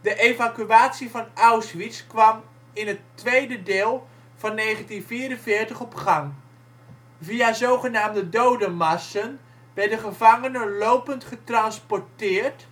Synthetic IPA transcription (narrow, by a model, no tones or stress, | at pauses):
dəʔevakyaːtsivɑnawsʋiskʋɑm | ɪnɦətːʋejdədeːlˠ | v̥ɑnːejχəntinviːɾənvɪːrtəχɔpχɑŋ | viazowχənaːmdədowdəmasən | ʋɛdəχəvaŋənəlowpəntχətrɑnspɔɹtɪːrt